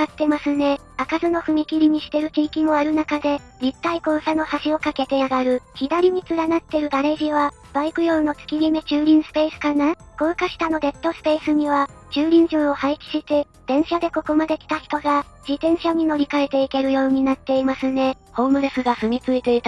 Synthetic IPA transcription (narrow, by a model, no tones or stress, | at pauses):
kat̪ːe̞masɨne̞ | akazɨno̞ɸɯ̟mʲikʲiɾʲiɲ̟iɕi̥t̪e̞ɾɯ̟t͡ɕiːkʲimo̞aɾɯ̟nakad̪e̞ | d͡ʑit̪ːaiko̞ːsano̞haɕio̞kake̞t̪e̞aɡaɾɯ̟çid̪aɾʲim̟ʲit͡sɨɾanat̪ːe̞ɾɯ̟d̪aɾe̞ʑiβa | b̥aikɯ̟joɯno̞t͡sɨ̥kʲiɾʲime̞t͡ɕɨːɾʲĩɰ̃sɨ̥pe̞ːsɨ̥kanako̞ːkaɕi̥t̪ano̞d̪e̞t̪ːo̞sɨ̥pe̞ːsɨɲ̟iβ̞at͡ɕɨːɾʲĩɰ̟ʑoːohaikʲi̥ɕit̪e | d̪̥ẽ̞ɰ̃ɕad̪e̞ko̞ko̞mad̪e̞kʲi̥t̪açi̥t̪oɡa | d͡ʑit̪ẽ̞ɰ̃ɕaɲ̟ino̞ɾʲikae̞t̪e̞ike̞ɾɯ̟jo̞ːɲ̟inat̪ːe̞imasɨne̞ | ho̞ːmɯ̟ɾesɨɡaɸɯ̟mʲit͡sɨit̪eit̪